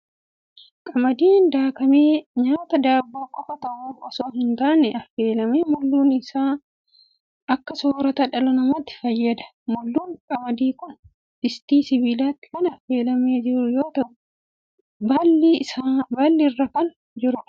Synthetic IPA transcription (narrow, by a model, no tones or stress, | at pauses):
kʼɐmɐd̪iːnd̪aːkɐmeːɲaːt̪ɐd̪aːbːaːkʼɔfɐt̪ɐʔuːfɐsoːɦɪnt̪aːnɛɐfːe̞ːlɐmeːmʊlːuːnɪsaː | ɐkːɐsoːɾɐt̪ɐᶑɐlɐnɐmɐt̪ːɪ̥fɐjːɐd̪ɐ̥ | mʊlːuːŋkʼɐmɐd̪iːkʊn | ɪst̪iːsɪbiːlaːt̪ːɪ̥kɐnɐfːe̞ːlɐmeːd͡ʒɪɾʊjoːt̪ɐʔʊ | bɐlːisabɐlːɪrːɐfɐn | d͡ʒɪɾʊᶑɐ̥